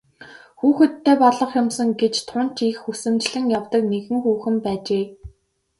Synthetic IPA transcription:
xuːxɘ̆t̪ʰːeːpɔɮɞ̆χjʊmsə̆ŋɡet͡ɕt̪ʰʊn̥t͡ɕixusɘ̆mt͡ɕɮɘ̆ŋjawt̪ə̆kneɣɘ̆ŋxuːxɘ̆npæːt͡ɕeː

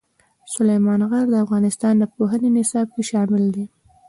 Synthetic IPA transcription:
sʊlajmɑnɣaɾd̪əafɣɑnɪst̪ɑnd̪əpoɦənenɪsɑb̚keʃɑmɪld̪i

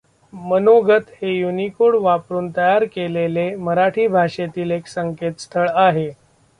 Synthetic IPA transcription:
mənoɡət̪hejunikoɽʋapɾuːnt̪əjaɾkeleleməɾaʈʰiːbʱaʂet̪iːleksəŋket̪st̪ʰəɭaɦe

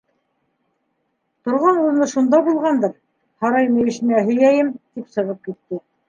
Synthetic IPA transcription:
t̪ŏɾʁɑnunɤʃund̪ɑbulˠʁɑnd̪ɤɾ | hɑɾɑjmɘ̆jɘ̆ʃɘ̆næɦɵ̆jæjɘmt̪ipsɤ̆ʁɤp̚kit̪ːɘ

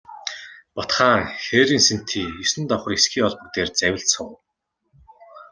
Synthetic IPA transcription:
pɔt̪χaːŋxeːɾiːnsen̥t̪ʰiːisɘ̆nt̪ɔwχɞ̆resxiːɔɮpɞ̆k̚t̪eːrt͡sæwʲɪ̆ɬsʊŋ

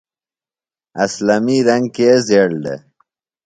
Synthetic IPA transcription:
ɐslamiɾɐŋɡkezeɽɖḛ

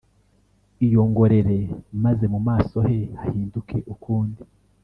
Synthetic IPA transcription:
ijo̞ːŋɡo̞ɾe̞ɾe̞maze̞mumaːso̞he̞hahiːndukʰe̞ʔukuːndi

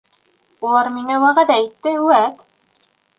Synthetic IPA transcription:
ulˠɑɾmiŋæwæʁæd̪æit̪ːɘʉwæt̪

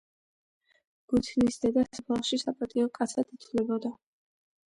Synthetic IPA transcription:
ɡ̥ut̪ʰnisd̪ɛd̪asbʰalʃisapʼat̪ʼiɔkʼat̪sʰad̪it̪ʰvlɛbɔd̪a

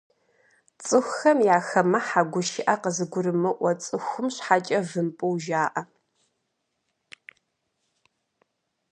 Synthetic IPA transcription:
t͡sʼɨxʷxɐmjaːxɐmɐħaɡʷʊʃɪʔaqəzɨɡʷʊɾɨmɨʔʷɐt͡sʼɨxʷʊmɕħat͡ʃʼɐvɨmpʼɨwʒaːʔɐ

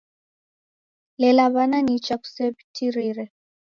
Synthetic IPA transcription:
lɛlaβananit͡ʃaku̥sɛbitʰiɾiɾɛ

